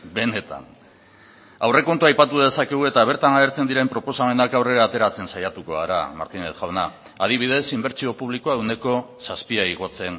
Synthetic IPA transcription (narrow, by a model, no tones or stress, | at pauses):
be̞ne̞t̪a̰n | awre̞ko̞nt̪uajpat̪uð̞e̞sakeɣ̞ue̞t̪aβ̞e̞ɾt̪anaeɾt͡se̞nd̪iɾe̞mpɾo̞po̞same̞nakawre̞ɾaːt̪e̞ɾat͡se̞nsajat̪uko̞aɾa̰ma̰ɾt̪ine̞θʝawna | að̞iβ̞ið̞e̞simbe̞ɾt͡sio̞puβ̞likoaewne̞ko̞saspiaiɣ̞o̞t͡se̞n